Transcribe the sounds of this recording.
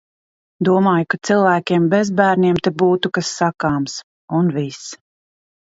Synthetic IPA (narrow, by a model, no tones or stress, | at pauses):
d̪uɔmaːjukat̪silˠvæːkʲeɛmbɛzbæːɾnʲiɛmt̪ɛbuːt̪ukasːakaːms | unvis